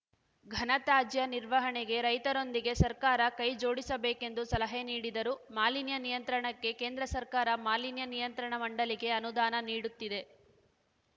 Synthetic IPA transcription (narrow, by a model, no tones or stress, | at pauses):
ɡʱɐnɐt̪aːd͡ʒjɐniɾʋɐɦɐɳeɡe̞ɾɐjt̪ɐɾo̞nd̪iɡe̞sɐɾkaːɾɐkɐjd͡ʒo̞ːɽisɐbeːke̞nd̪usɐlɐɦeniːɽid̪ɐɾumaːlinjɐnijɐnt̪ɾɐɳɐkːe̞keːnd̪ɾɐsɐɾkaːɾɐmaːlinjɐnijɐnt̪ɾɐɳɐmɐɳɖɐliɡe̞ɐnud̪aːnɐniːɽut̪ːid̪e̞